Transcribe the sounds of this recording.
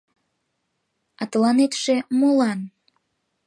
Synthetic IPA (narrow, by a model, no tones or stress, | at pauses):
ɑt̪əlɑnet̪ʃemolɑn